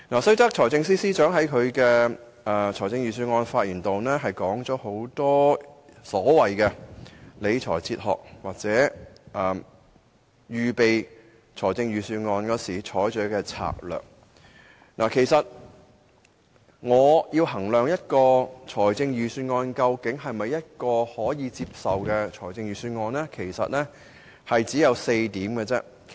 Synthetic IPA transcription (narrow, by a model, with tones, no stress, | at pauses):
naː˨˩sɵ˥ɥt̪ɐ˥k̚ʰɔː˨˩jt͡sɪ˧ŋsiː˥siː˥t͡ʃœː˨˥ŋɦɐ˨˥jkʰɵ˨˧ɥkɛː˧˨ | t͡ʃʰɔː˨˩jt͡sɪ˧ŋɥyː˨˧s̬yː˧nŋɔː˧nfaː˧t̚jiː˨˩nt̪o˨wnɛː˥ɦɐ˨jkɔː˨˥ŋt͡ʃɔː˨˥ho˨˥wt̪ɔː˥ | sɔː˨˥wɐ˨jkɛ˧le˨˧jt͡ʃʰɔ̰ː˨˩jt͡sʰiː˧t̚hɔ̰ː˨˩k̚waː˨t̚t͡sɛː˨˥ʔɐː˨ | jyː˨pe˨j | t͡ʃʰɔː˨˩jt͡sɪ˧ŋɥyː˨˧syː˧nŋɔː˧nkɔː˨˥siː˨˩t͡ʃʰɔː˨˥jt͡ʃœː˨˥kɛː˧t͡sʰa̰ː˨k̚lœ̰ː˨˩k̚ | na̰ː˨˩kʰe˨˩jsɐ˨t̚ | ŋɔː˨˧jiː˧wɦɐ˨˩ŋlœː˨ŋjɐ˥t̚kɔː˧t͡sʰɔː˨˩jt͡sɪ˧ŋjyː˨˧syː˧nŋɔː˧nkɐ˧wkɪ˨˥ŋɦɐ˨jmɐ˨jːɐ˥t̚kɔː˧hɔː˨˥jiː˨˧t͡siː˧p̚sɐ˨wkɛː˧t͡ʃʰɔː˨˩jt͡sɪ˧ŋɥyː˨˧syː˧nŋɔː˧nlɛː˥kʰe˨˩jsɐ̰˨t̚lɛ˥ | hɐ˨jt͡siː˨˥jɐ˨˧wse˧jt̪iː˨˥mkɛ˧t͡sɛ̰˥